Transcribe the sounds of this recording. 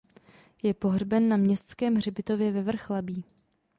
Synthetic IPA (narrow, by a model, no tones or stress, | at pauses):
jɛpo̞ɦrbɛnːamɲɛst̪t͡skɛːmɦrɪbɪt̪o̞vjɛvɛvr̩xlabiː